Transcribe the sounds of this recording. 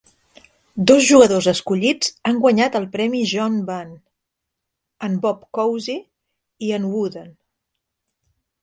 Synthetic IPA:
d̪ozʒuɣəðozəskuʎid͡zaŋɡwəɲat̪əlˠpɾɛmiʒɔnban | əmbɔpkɔwzi | iənwuðən

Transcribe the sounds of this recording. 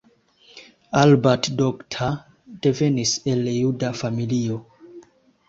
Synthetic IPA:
albatdoktʰa | d̥e̞ve̞niseljudafamilio

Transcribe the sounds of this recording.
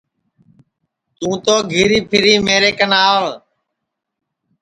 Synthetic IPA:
t̪ũːt̪oːɡʱɪɾiːpʰɪɾiːmeːɾeːkənaːɭ

